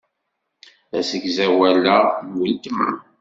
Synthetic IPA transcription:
æsəɡzæwælːænwilt̪əm̰

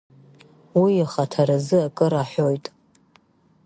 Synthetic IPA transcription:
wiaχatʰaɾazɨakʼɨɾaħʷᶣojtʼ

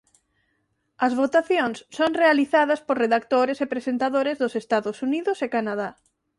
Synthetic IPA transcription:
ɐzβot̪aθjõŋssoŋrealiθaðɐspoɾreðakt̪oɾesepɾesent̪aðoɾezðʊsest̪aðʊsuniðʊsekanaða

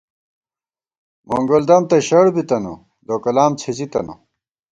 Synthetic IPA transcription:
mo̰ŋɡold̪ɐmt̪ɐɕɐɽbit̪ɐnṵ | d̪oːkɐlaːmt͡sʰizit̪ɐ̰no̰

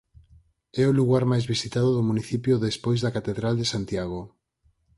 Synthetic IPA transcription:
ɛʊluɣaɾmajzβisit̪að̞oðʊmuniθipjoðespojzðɐkat̪eðɾald̪esant̪jaɣ̞o

